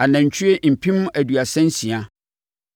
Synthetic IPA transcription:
a˨nã˨ɲ̩˨t͡ɕʰy˦e˦m̩˨pʰĩ˦m̃˦ʔæ˨dɥa˨sɛ̃˦n̩˦sĩ˨a˦

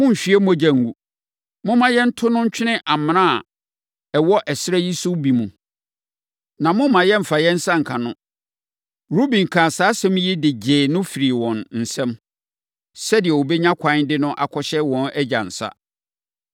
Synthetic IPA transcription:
mʊ̃˦m̩˨ɕᶣi˨˦ɛ˦m˦ɔ˦d͡ʑã˨ŋ˨ɡu˨ | mʊ̃˦mã˨jɛ˦n̩˦tʰʊ˦nʊ̃˦ɲ̩˦t͡ɕᶣʰɪ˦nɪ̃˦ʔa˨m̃˨nã˦a˨ | ɛ˨wɔ˦ʔɛ˨sɪ˦ɾɛ˦ji˦sʊ˦bi˨mũ˨ | nã˨mʊ̃˦mã˨jɛ̃˦m̩˨fa˨jɛ̃˦n̩˦sa˦ŋ̩˨kʰã˨nʊ̃˦ | ɾu˦bĩ˨ŋ̩˨kʰa˨saː˨˦sɛ̃˦m̃˦jɛ˦dɪ˨d͡ʑeː˨nʊ̃˦fi˨ɾi˨wɔ̃˨nn̩˨sɛ̃˦m | sɛ˦dɪ˨ɛ˨wo˨bɛ˦ɲã˦kʷʰã˨˦ndɪ˦nʊ̃˦ʔa̰˨kʰɔ˦ɕɛ˦wɔ̃˨nɛ˦d͡ʑa̰˨n̩˨sa̰˦

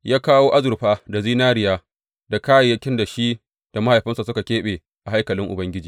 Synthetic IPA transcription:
jaː˦kaː˦woː˦ʔa˦zʊ˨ɾɸaː˦da˨ziː˦naː˦ɾɪ˦jaː˦ | da˨kaː˦ja˨jɐ˦kʲɪ˦nda˨ʃi˦ | d̥a˨ma˦ha˨jɸɪ˦nsa˨sʊ˦ka˨kʲeː˦ɓeː˨ | ʔa˨ɦa˦jkɐ˨lɪ˦ŋʔʊ˨bɐ˦ŋɡʲɪ˦d͡ʒiː˨

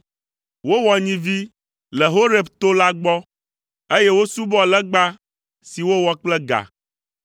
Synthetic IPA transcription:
wo˦wɔ˨ɲĩ˦vi˦ | lɛ˨ɦo˦ɾe˨bt̪o˦la˦ɡ͡bɔ˦ | e˦jɛ˦wo˦su˦bɔ˦lɛ˦ɡ͡ba˦ | si˨wo˦wɔ˦k͡plɛ˦ɡa̰˨

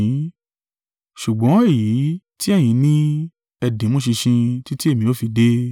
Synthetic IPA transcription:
ʃu˨ɡ͡bɔ̃˨˦e˦˨ji˨˦ | ti˦ɛ˦˨j̃ĩ˨˧nĩ˦ | ɛ˧dĩ˨˦mõ˦ʃi˧ʃĩ˧ti˦ti˦e˦˨mĩ˧o˦fi˧de˦

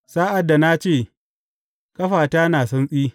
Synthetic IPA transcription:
saː˦ʔa˨dːa˨na˦t͡ʃeː˦˨ | kʼɐ˦ɸaː˨taː˦naː˨sɐ˦nsʼiː˦

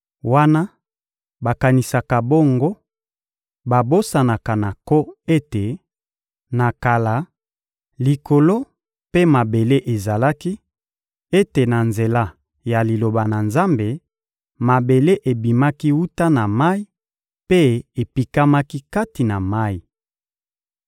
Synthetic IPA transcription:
wa˦na˦ | ba˨ka˨ni˨sa˨ka˨bo˦ŋɡo˦ | ba˨bo˦sa˨na˨ka˨na˨ko˦e˦te˨ | na˨ka˨la˨ | li˨ko˨lo˦ | pe˦ma˨be˨le˦ʔe˨za˨la˦ki˦ | e˦te˨na˨nze˨la˦ | ja˨li˨lo˨ba˨na˨nza˦mbe˨ | ma˨be˨le˦ʔe˨bi˨ma˦ki˦wu˦ta˦na˨ma˦i˦ | pe˦e˨pi˨ka˦ma˦ki˦ka˦ti˨na˨ma˦i˨

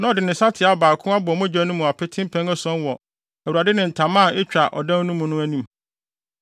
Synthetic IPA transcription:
nã˦ɔ˨dɪ˨nɪ̃˨sa˦tʰɪ˨a˦˨baː˨kʰʊ̃˦a˦bʊ˨mʊ̃˦d͡ʑæ̃˦nʊ̃˦mũ˨a˨pʰɛ˦tʰɪ̃˦m˦pʰɛ̃˦ŋɛ˦sɔ̃˦nwɔ˨ | æ˨wu˨a˨dɪ˦nɪ̃˨n̩˨tʰã˨mã˦˨ɪ˦t͡ɕᶣa˨ʔɔ̰˨dã˦n˦nũ˦mũ˨nʊ̃˦æ˦nĩ˦m

